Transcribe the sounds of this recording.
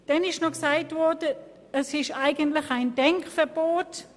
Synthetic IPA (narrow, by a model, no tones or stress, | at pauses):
d̥ɛnɪʃnɔksaɪtvɔdə | əsɪʃaɪɡəntlɪçaɪndɛŋkfɛɐb̥oːt